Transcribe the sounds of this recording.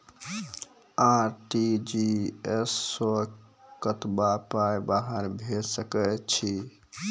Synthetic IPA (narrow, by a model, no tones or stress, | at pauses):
aɾʈid͡ʒiesːokət̪bapajbaɦəɾbʱesəkət͡ʃʰi